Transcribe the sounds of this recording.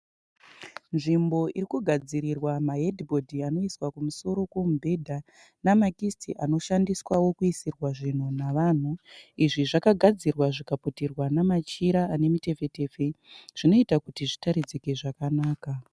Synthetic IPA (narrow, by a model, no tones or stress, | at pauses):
nʐimbo̞ʔiɾikuɡʱad͡ziɾirwamaɦedʱibo̞dʱiano̞iswakumuso̞ɾo̞komubʱe̞dʱa | namakistʰḭʔano̞ʃandiswawo̞kuisirwaʐin̤unaʋan̤uiʐiʐakaɡʱad͡zirwaʐikaputirwanamat͡ʃiɾaːne̞mite̞fe̞te̞fe̞ʐ̥ino̞itakutiʐitaɾid͡zikeʐakanaːka